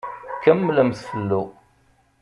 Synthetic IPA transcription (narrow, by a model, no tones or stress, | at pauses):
kəmːləmθfəlːu